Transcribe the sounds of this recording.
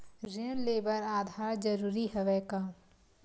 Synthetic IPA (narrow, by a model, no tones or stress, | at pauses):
ɾɪəɾleːbəɾaːd̪ʱaːɾd͡ʒəɾuːɾiɦɐʋɛːkaː